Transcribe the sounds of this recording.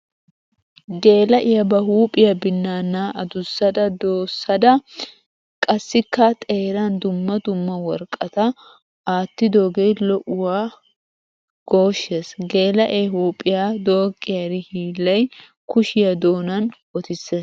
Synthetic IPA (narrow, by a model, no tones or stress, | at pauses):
ɡe̞ːlɐʔɪjɐbɐɦuːpʼɪjɐbɪnːaːnːaːʔɐd̪ʊsːɐd̪ɐd̪oːsːɐd̪ɐ | kʼɐsːɪkːɐt̪ʼeːɾɐnd̪ʊmːɐd̪ʊmːɐwɔɾkʼːɐt̪ɐ | aːt̪ːɪd̪oɡejlɔʔʊwaː | ɡ̥oːʃːesɡe̞ːlɐʔeːhuːpʼːɪjaːd̪o̞ːkʼːɪjɐɾɪhiːlːɐj | kʊʃɪjɐd̪oːnɐnwɔt̪ɪsːeːs